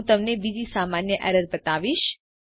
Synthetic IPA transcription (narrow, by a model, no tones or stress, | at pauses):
t̪əmnebid͡ʒisamanjəʔɛ̰ɾəɾbət̪aʋiʃ